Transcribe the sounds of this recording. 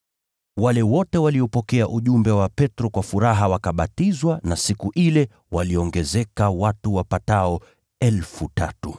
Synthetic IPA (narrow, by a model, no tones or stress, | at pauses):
walɛwɔtɛwaliɔpɔkɛaʔuʄumbɛwapɛtɾɔkwafuɾaɦawakaɓatizwanasikuʔilɛ | waliɔŋɡɛzɛkawatuwapataɔ | ɛlfuta̰tu